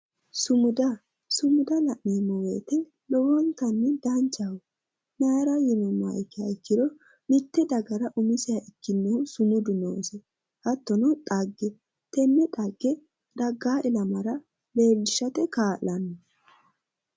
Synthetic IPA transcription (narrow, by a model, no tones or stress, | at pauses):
sʊmʊd̪ɐ | sʊmʊd̪ɐlɐʔniːmɔweːt̪ɛ | lɔwɔnt̪ːɐnːɛd̪ɐnt͡ʃːɐhʊ | naːɾɐjɪmɔmːa̰ɪkːɪjɐɪkːɪd̪ɔ | mɪt̪ːɛd̪ɐɡɐɾɐʔʊmɪsɪjɐʔɪkːɪnːɔhʊsʊmʊd̪ʊnoːsɛ | hɐt̪ːɔnɔt̪ʼɐɡːɛ | t̪ɛnːɛt̪ʼɐɡːɛ | d̪̥ɐɡːaːʔɪlɐmɐɾɐ | be̞ːlːɪʃɐt̪ɛkaːlɐnːɔ